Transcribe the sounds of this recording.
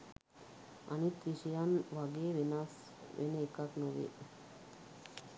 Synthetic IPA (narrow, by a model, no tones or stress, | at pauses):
a̰nit̪ɾiʃijanʋaɡeːʋenas | ʋʔḛnəekaknoʋḛ